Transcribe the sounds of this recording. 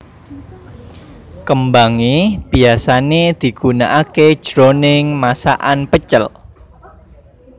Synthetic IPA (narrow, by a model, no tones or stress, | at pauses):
kəmbaŋib̥i̤asaned̪̥i̤ɡ̥ṳnaʔake̥ʒ̥ɾonɪŋmasa̰ʔanpət͡ʃəl